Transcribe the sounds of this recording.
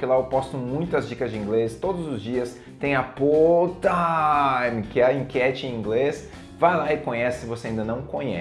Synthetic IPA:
kɪlaewpɔst̪ʊmũj̃t̪ʊɐzd͡ʒikɐzd͡ʒɪĩŋɡlest̪od̪ʊzʊzd͡ʒiɐs | t̪ẽj̃ɐpot̪ɐ | ĩkɛĩkʲɛt͡ʃɪẽĩɡles | vajlaɪkõɲɛsɪ̥sɪvoseaɐĩnd̪ɐnɐ̃w̃kõɲɛ̰

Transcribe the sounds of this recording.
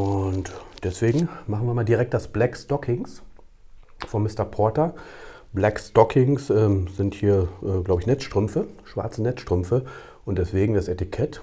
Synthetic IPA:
ʔʊntd̥ɛsv̥eːɡŋ̩maχnviːɐmaːldiʁɛk̚t̚d̥asb̥lɛkstɔkʰɪŋs | fɔnmːɪstɐpʰɔɐtɐ | b̥lɛkstɔkʰɪŋsʔɛːmz̥ɪnthiːɐʔɛːɡlaʊbəɪçnɛt͡sʃtʁ̥ʏmfəʃv̥a̰ɐt͡sənɛt͡sʃtʁ̥ʏmfə | ʔʊnt̚d̥ɛsv̥eːɡŋ̩dasɛtɪkʰɛt

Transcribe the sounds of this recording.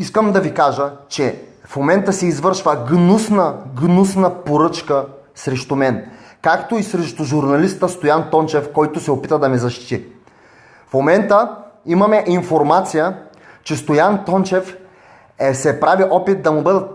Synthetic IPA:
iskəmd̪ɐvikaʒət͡ʃɛfmomɛnt̪əsɛizvɤɾʃvəɡnusnəɡnusnəpoɾɤt͡ʃkə | sɾɛʃt̪umɛn | kakt̪oisɾɛʃt̪ʊʒuɾnɐlist̪əst̪ojant̪ɔnt͡ʃɛfkɔjt̪ʊsɛopit̪əd̪ɐmɛzɐʃt̪i̥t̪i | fmomɛnt̪əimɐmɛʔinfoɾmat̪sijə | t͡ʃɛst̪ojant̪ɔnt͡ʃɛf | sɛpɾaviʔɔpit̪̚d̪ɐmubɤd̪ə

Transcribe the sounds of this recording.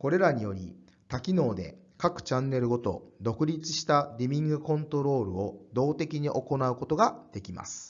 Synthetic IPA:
ko̞ɾe̞ɾaɲ̟ijo̞ɾʲḭ | t̪akʲino̞ːd̪e̞̰ | kakɯ̟̥t͡ɕãnːe̞ɾɯ̟ɡo̞t̪o̞̰d̪o̞kɯ̟ɾʲit͡sɨ̥ɕi̥t̪adʲimʲĩŋɡɯ̟kõ̞nt̪o̞ɾo̞ːɾɯ̟o̞d̪o̞ːt̪e̞kʲiɲ̟iʔo̞ko̞naɯ̟ko̞t̪o̞ɡad̪̥e̞kʲima̰sɨ̥

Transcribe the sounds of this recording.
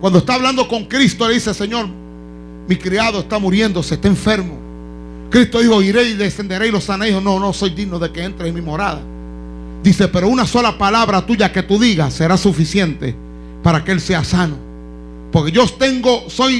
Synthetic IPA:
kwand̪oest̪aβland̪o̞ko̞ŋkɾist̪oleðisese̞ɲo̞ɾ | mikɾiaðoest̪amuɾje̞nd̪o̞sest̪eːɱfe̞ɾmo | kɾist̪o̞ðiho̞iɾe̞iðese̞nd̪e̞ɾejlo̞sanaihono̞no̞so̞jd̪iɡnoðe̞ke̞e̞nt̪ɾeemĩmo̞ɾaða̰ | d̪ise̞pe̞ɾo̞unaso̞lapalaβɾat̪uʝake̞t̪uðiɣasːe̞ɾasufisje̞nt̪e̞̰ | paɾakeelse̞asano̞ | po̞ɾkeʝot̪e̞ŋɡo̞so̞j

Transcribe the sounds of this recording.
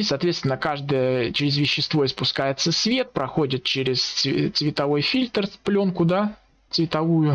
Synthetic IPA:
sɐːt̪vʲest̪vʲɪnːəkaʐd̪əjət͡ɕɪɾʲɪzvʲɪɕːɪst̪vo̞ɪspʊskajɪt̪səsvʲe̞t̪̚pɾɐxo̞dʲɪt̪̚t͡ɕeɾʲɪst̪svʲɪt̪ɐvo̞jfʲilʲt̪rplʲo̞nkʊd̪a | t̪svʲɪt̪ɐvujʊ

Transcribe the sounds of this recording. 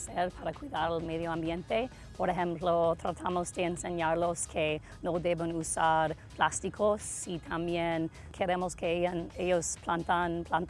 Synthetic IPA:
seɾpʰaɾakwiðaɾelmeðjoambjẽnt̪e | poɾexẽmplot̪ɾat̪ʰamozd̪eːnseɲaɾloskʰe | nod̪eβenusaɾplast̪ikʰosːit̪ʰambjen | kʰeɾemoskeejaneʎosplant̪anplant̪

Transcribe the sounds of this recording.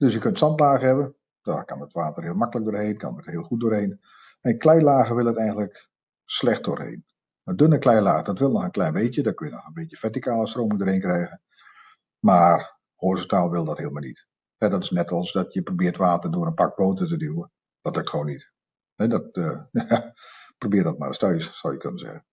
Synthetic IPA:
d̥øsjəkøntsɑntlaːɣəɦɛbən | d̥ɔkɑnətʋaːtərɦɪːlˠmakələk̚doːrhejnkɑ̰nətəɦɪːlˠxut̚doːɹɦejn | ɛnklɛjlaːɣəʋɪlˠətɛjɣəndlək | slɛxt̚do̰ːrhḛn | ədønəklɛjlaːɣədɑtʋɪlˠnɔxənklɛjnbeːtjədɔkønjənɔ̰χənbeːtjəfɛtikaːləstroːmɪŋdoːrheːnkrɛjɣən | maːr | hoːrsətaːlˠʋɪlˠdɔtheəlˠmanit | hɛdɔtɪsnɛtɑlˠsdɔtjəprobɪːtʋaːtərdʊəənpak̚boːtətədywə | d̥ɔtlək̚txʋoːnit | hɛdɔtːaprobɪːdɔt̚ma̰rɔstœɥssɔwjəkʰønənzɛ̰ɣən

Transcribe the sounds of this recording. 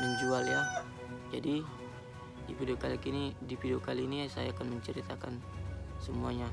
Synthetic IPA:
məɲd͡ʒualja | d͡ʒadi | difidokalikinidipidokaliːnisajaːkanməɲt͡ʃəɾit̪akansəmuaɲa

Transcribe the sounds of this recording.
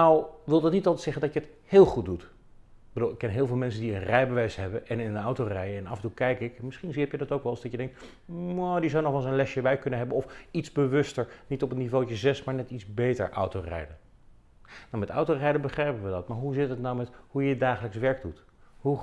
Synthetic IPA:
nawʋɪlˠdɑtnitɑlˠtətsɛχəndɑcjəəthɪːlˠχut̚dut | b̥əduːlˠɪkːɛnɦɪːlˠvɪlˠmɛns̬əndiənrɛjbəʋɛjsɦɛbəʔɛnɪnəawtorɛjəɛnɑ̰fntukɛjkɪkmɪsχiniɦɛpjədɑtowkʋɛlˠzdɑcjədɛŋkt | ɔdizawnɔχʋɑlˠsənlɛʃəʋɛjkɵnənɦɛbənɔfitzbəʋɵstəɹnitɔpənːivowt͡ʃəzɛsmaːɹnɛtidzbejtə̰ɹʔa̰wtowrɛ̰jdə | nawmɛtɔ̰wtorɛjdəbəχrɛjpəʋədɑtmaːɹɦuzɪtətnawmɛtɦujədaːχələksʋɛɹɡ̚dut | ɦu

